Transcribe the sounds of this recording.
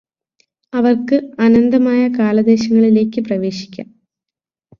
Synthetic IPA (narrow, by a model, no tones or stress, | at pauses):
ɐʋɐrkɨɐnɐnd̪ɐmaːjɐkaːlɐd̪e̞ːɕɐŋːɐɭile̞ːkʲːɨprɐʋe̞ːɕi̥kʲːa̰ːm